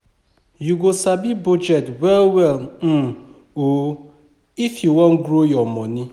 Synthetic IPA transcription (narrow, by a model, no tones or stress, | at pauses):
juɡosabibud͡ʒɛtwɛlwɛlm̩ | o | ifjuwɔ̃n̩ɡɾojɔmɔni